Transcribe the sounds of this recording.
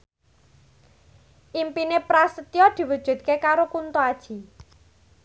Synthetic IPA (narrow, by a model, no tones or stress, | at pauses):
ʔimpinepɾasət̪iɔd̪̥i̤wud̥ʒ̥ṳd̪̚kekaɾokunt̪oad̥ʒ̥i̤